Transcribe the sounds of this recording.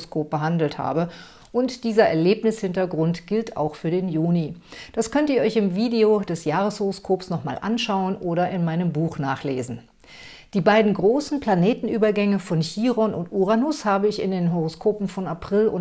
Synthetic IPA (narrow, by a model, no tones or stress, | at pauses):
skʰoːp̚b̥əɦandl̩tha̰ːbə | ʔʊntd̥iːzɐʔɛɐleːpnɪshɪntɐɡʁʊntɡ̥ɪlta̰ʊxfyːɐdeːnjuːnid̥askʰœntiːɐʔɔʏçɪmviːdeodɛsjaːʁəshoʁoskʰoːpsnɔχma̰ːlʔa̰nʃaʊənʔoːɾɐʔɪnmaɪnəmbuːxnaːχlḛːzn̩ | d̥iːbaɪdn̩ɡʁoːsn̩pl̥aneːtn̩ʔyːbɐɡɛŋəfɔnçiːʁɔnʊntʔuʁanʊshaːbəɪçɪ̰ndeːnɦoʁoskʰoːpm̩fɔnapʁ̥ɪlʊ̰